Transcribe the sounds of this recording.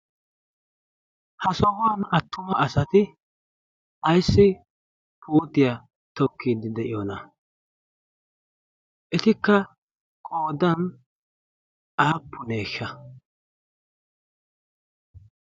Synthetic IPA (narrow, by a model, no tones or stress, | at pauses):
hɐsɔhʊwɐnɐt̪ːʊmɐʔɐsɐt̪ɪ | ʔɐjsːɪ | pʰuːt̪ɪjɐ | t̪ɔkːid̪ɪd̪ɛʔɪjɔːnɐ | ʔɛt̪ɪkːɐ | kʼoːd̪ɐn | ʔaːpʰːʊneːʃːɐ